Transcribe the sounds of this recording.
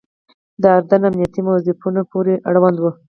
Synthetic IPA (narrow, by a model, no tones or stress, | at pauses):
d̪əaɾd̪anamnijat̪imawzɪfunapoɾeʔaɽwand̪wu